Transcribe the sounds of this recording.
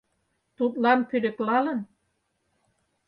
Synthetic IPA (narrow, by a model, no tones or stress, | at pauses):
t̪ut̪lɑnpyɾɘ̆klɑlɤ̆n